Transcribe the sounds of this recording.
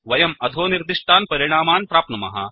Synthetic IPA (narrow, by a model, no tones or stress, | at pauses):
ʋɐjɐmɐd̪ʱoːniɾd̪iʂʈ̪ʰaːnpɐɾiɽ̃aːmaːnpɾaːpnɐmɐ̰ɦa̰